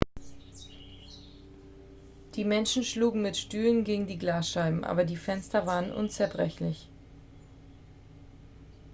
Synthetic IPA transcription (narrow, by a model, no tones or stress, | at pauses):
d̥iːmɛnʃn̩ʃluːɡŋ̩mɪtʃtyːlənɡeːɡŋ̩diːɡlaːsʃaɪbm̩ʔa̰ːbɐdiːfɛnstɐvaːʁənʔʊ̰nt͡sɛɐbʁɛçlɪç